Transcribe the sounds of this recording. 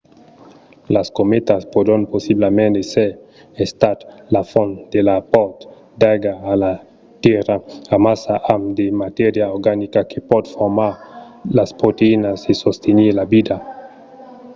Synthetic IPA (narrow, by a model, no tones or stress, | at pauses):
laskomet̪aspod̪anposiblamẽnd̪ese | est̪at̪lafond̪elapɔt̪ | d̪aɡaːla | t̪jeɾaamasaʔamd̪emat̪eɾjaoɾɡanikakʰepɔd̪foɾmaɾ | laspɾot̪einasesost̪ʰeniɾlabid̪a